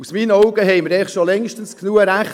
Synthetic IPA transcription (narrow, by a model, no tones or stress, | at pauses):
usmiːnəɔʊɡəɦɛɪməɾɛχtʃolɛŋʃtən̩sknuːəɾæχ